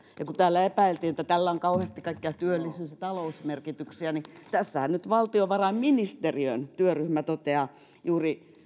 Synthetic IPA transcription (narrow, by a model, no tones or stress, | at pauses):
jɑkut̪æːlːæepæilt̪iːnet̪ːæt̪ælːæoŋkɑuhest̪ikɑikːeɑt̪yølːisynsɑt̪ɑlousmerkit̪yksiænit̪æsːæhænnyt̪ʋɑlt̪ioʋɑrɑimminist̪eriø̰nt̪yøryhmæt̪ot̪eɑ | juːri